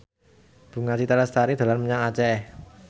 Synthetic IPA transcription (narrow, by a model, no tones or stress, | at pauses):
b̥ṳŋasit̪aɾəst̪aɾid̪̥a̤lanməɲaŋat͡ʃɛ